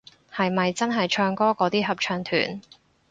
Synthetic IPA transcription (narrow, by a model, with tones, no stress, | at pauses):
hɐ˨jmɐ˨jt͡sɐ˥nɦɐ˨jt͡ʃʰœː˧ŋkɔː˥kɔː˨˧˥t̪iː˥ɦɐ˨p̚t͡ʃʰœː˧ŋt̪ʰy̰ː˨˩n